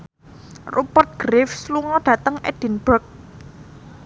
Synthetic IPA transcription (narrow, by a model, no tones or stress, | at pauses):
rʔupərt̪̚ɡ̥ɾɪfsluŋɔɖ̥ä̤t̪əŋʔɛ̰d̥i̤nb̥ərk̚